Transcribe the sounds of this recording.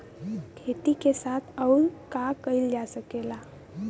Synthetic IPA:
kʰet̪ikesat̪ʰəuɾkakəjld͡ʒasəkela

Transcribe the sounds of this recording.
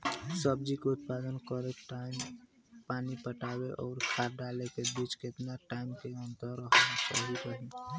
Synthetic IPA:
səb̚d͡ʒikeʊt̪̚pad̪ənkəɾekʈaɪm | panipəʈabeʔɔːɾkʰaɾɖalekebit͡ʃket̪naʈaɪmkeənt̪əɾəɦnat͡ʃa̰ɦikəɦi

